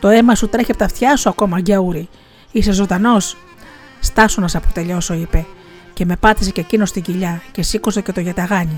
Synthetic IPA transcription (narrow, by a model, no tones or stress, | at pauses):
t̪o̞e̞mɐsut̪ɾeçept̪ɐft̪çɐsuɐko̞mɐɟɐuɾi | ise̞zo̞d̪ɐno̞s | st̪ɐsunɐsɐpot̪e̞ʎo̞so̞ipe̞ | ce̞me̞pɐt̪i̥sececino̞st̪iɟiʎɐce̞sikosece̞t̪o̞ʝɐt̪ɐɣɐɲi